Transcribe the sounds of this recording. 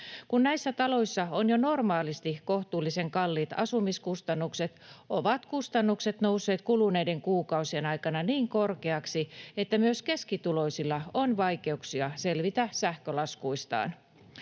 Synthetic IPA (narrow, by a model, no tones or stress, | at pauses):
kunnæisːæt̪ɑlo̞isːɑonjono̞rmɑːlist̪ikoht̪uːlːiseŋkɑlːit̪ɑ̰sumiskust̪ɑnːukset̪ʔoʋɑt̪kust̪ɑnːukset̪nousːe̞ːt̪kuluneide̞ŋkuːkɑusienɑikɑnɑniːŋko̞rkeɑksiet̪ːæmyøskeskit̪ulo̞isilːɑonʋɑike̞uksiɑselʋit̪æsæhkølɑskuist̪ɑ̰ːn